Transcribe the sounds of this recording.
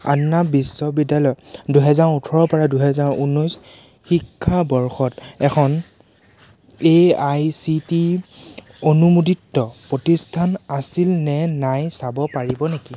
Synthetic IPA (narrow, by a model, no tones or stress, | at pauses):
a̰nːabisːɔbidalɔjduɦɛzaɹutʰɔɹɔpɔɹaduɦɛzaɹunɔjs | xikʰːabɔɹxɔtɛkʰɔn | ejajsiti | onumuditːɔpɹotistʰanasilnɛnajsabɔpaɹibɔneki